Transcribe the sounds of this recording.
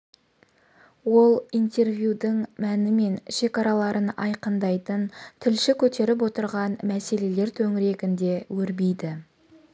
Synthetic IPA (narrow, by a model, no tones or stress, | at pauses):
wo̞lˠijnt̪e̞ɾvjud̪əɴmænɪme̞nʃe̞kɑɾɑlˠɑɾʔənɑjqənd̪ɑjt̪ənt̪ʰɪlʃɪkʲʰɵt̪e̞ɾɪp̬wot̪əɾʁɑnmæse̞le̞le̞ɾt̪ʰɵŋɪɾe̞kʲɪnd̪e̞wɵɾbijd̪ɪ